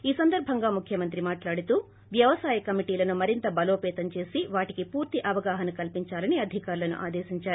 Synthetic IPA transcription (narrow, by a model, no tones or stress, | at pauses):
iːsɐnd̪ɐɾbʱɐŋɡaːmukʰjɐmɐnt̪ɾimaːʈlaːɽut̪uː | ʋjɐʋɐsaːjɐkɐmiʈiːlɐnumɐɾint̪ɐbɐloːpɛːt̪ɐɲt͡ʃe̞ːsiʋaːʈikipuːɾt̪iʔɐʋɐɡaːɦɐnɐkɐlpiɲt͡ʃaːlɐniɐd̪ʱikaːɾlɐnṵʔa̰ːd̪eːʃiɲt͡ʃaːɾu